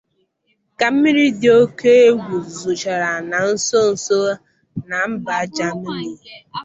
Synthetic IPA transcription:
ka˨m̩˦mi˦ɾi˦dɪ˦o˦ke˦e˦ɡʷu˨zu˨t͡ʃa˨ɾa˨na˨n̩˦so˦n̩˨so˦ | na˨m̩˦ba˨a˦d͡ʒa˦mi˦ɾi˦˨

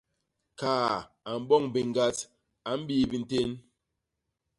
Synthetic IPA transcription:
kaː˨ | a˨m̩˨bɔ˦˨ŋ˨bi˨ŋ˨ɡa˦t | a˨˦m̩˦biː˦bi˨n̩˦te˦n

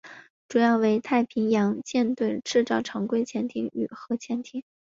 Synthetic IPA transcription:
ʈ͡ʂu˨˩jɑ˥˩ʊwe˧˥ɪt̪ʰa˥˩ɪpʰi˧˥ŋjɑ˧˥ŋt͡ɕjɛ˥˧nt̪we˥˧ɪʈ͡ʂɻ̩˥˧ʈ͡ʂɑ˥˩ʊʈ͡ʂʰɑ˧˥ŋkwe˥˧ɪt͡ɕʰjɛ˧˥nt̪ʰi˧˥ŋy̰˨˩xɤ˧˥t͡ɕʰjɛ˧˥nt̪ʰi˧˥˦ŋ

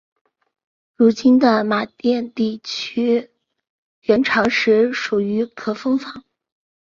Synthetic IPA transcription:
ɻu˧˥t͡ɕi˥nd̪ə˨ma˨˩t̪jɛ˥˧nt̪i˥˩t͡ɕʰy˥ | ɥɛ˧˥nʈ͡ʂʰɑ˧˥ŋʂɻ̩˧˥ʂu˨˩y˧˥kʰɤ˨˩fɤ˥ŋfɑ˨˥˦ŋ

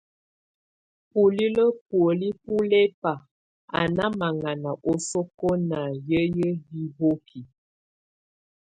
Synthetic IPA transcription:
pu˨li˦lə˦pwə˨li˦p̚u˦lɛ˦pa˨ | a̰˨na˦ma˨ŋa˨na˨ʔo˦so˦ko˦na˨jə˦jə˦bi˦bo˦kʰi˨

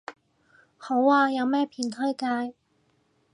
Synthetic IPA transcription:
ho˨˥wːaː˧jɐ˨˧wmɛː˥pʰiː˨˧˩nt̪ʰɵ˥jkaː˧j

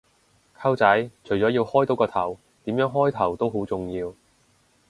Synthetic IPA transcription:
kʰɐ˥wt͡sɐ˨˥jt͡ʃʰɵ˨˩jt͡sɔː˨˥jiː˧whɔː˥jt̪o˨˥wkɔː˧t̪ʰɐ˨˩w | t̪iː˨˥mjœː˨˥ŋɦɔː˥jt̪ʰɐ˨˩wt̪o˥wɦo˨˥wt͡sʊ˨ŋjiː˧w

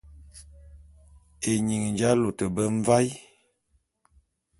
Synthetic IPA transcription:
e˨ɲi˨ŋnd͡ʒa˦lo˨tə˨bə˦ɱ˦va˦j

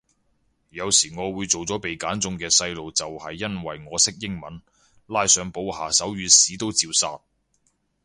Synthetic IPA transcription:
jɐ˨˧wsiː˨˩ŋɔː˨˧wuː˨˧jt͡so˨wt͡sɔː˨˥pe˨jkaː˨˥nt͡sʊ˧ŋkɛː˧sɐ˧jlo˨wt͡sɐ˨whɐ˨jːɐ˥nwɐ˨jŋɔː˨˧sɪ˥k̚jɪ˥ŋmɐ˨˥n | laː˧jsœː˨˧ŋpo˨˧whaː˨˩sɐ˨˥wjyː˨˧siː˨˥t̪o˥wt͡siː˧wsaː˧t̚

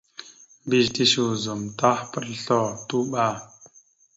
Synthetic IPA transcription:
bi˦˨ʃt̪i˦ʃu˨zu˨mt̪a˦hpə˨rɬɔ˨t̪u˦ɓa˨

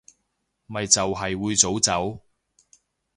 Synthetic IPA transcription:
mɐ˨jt͡sɐ˨wɦɐ˨jwuː˨˧jt͡so˨˥wt͡sɐ˨˥w

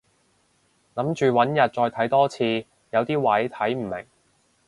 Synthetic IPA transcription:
lɐ˨˥mt͡ʃyː˨wɐ˨˥njɐ˨t̚t͡ʃɔː˧jt̪ʰɐ˨˥jt̪ɔː˥t͡sʰiː˧ | jɐ˨˧wt̪iː˥wɐ˨˥jt̪ʰɐ˨˥jm̩˨˩mɪ̰˨˩ŋ

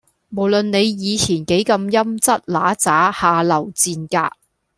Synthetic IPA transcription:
mo˨˩wlɵ˨nne˨˧jjiː˨˧t͡sʰiː˨˩nke˨˥jkɐ˧mjɐ˥mt͡sɐ˥t̚laː˨˥t͡saː˨˥haː˨˧lɐ˨˩wt͡siː˧nka̰ː˧k̚

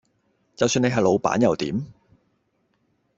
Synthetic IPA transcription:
t͡sɐ˨wsyː˧ne˧ɦɐ˨jlo˨˧wpa̰ː˨˥njɐ˨wt̪ḭː˨˥m

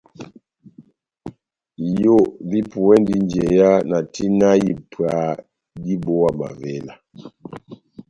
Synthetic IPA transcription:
jo˦˨vi˦pu˨wɛ˦ndi˦nd͡ʒɛ˨ja˦na˨tʰi˦na˦ji˨pʰwa˨˦ | di˦bo˦wa˨ma̰˨vɛ˦la˨

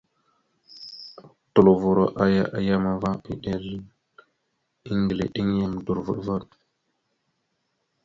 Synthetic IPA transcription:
tu˨lo˨vu˨ɾo˨ʔa˦ja˦ʔa˨ja˦ma˨va˦ḭ˦ɗe˨ɾi˦ | i˦ŋɡlḛ˨ɗi˦ŋ˦ja˦m˨du˨ɾvu˨ɗva˦˨ɾ

